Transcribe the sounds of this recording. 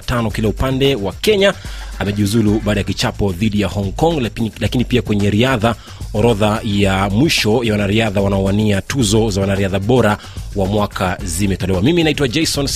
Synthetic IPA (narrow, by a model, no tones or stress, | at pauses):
tanɔkilaupandɛwakɛɲaamɛʄiuzuluɓaːɗajakit͡ʃapɔðiɗijahɔŋkɔŋllakinipiakwɛɲɛɾiaða | ɔɾɔðajamwiʃɔjawanaɾiaðawanaɔwaniatuzɔzawanaɾiaðaɓɔɾa | wamwakʰazimɛtɔlɛwamiminaitwad͡ʒɛjsɔn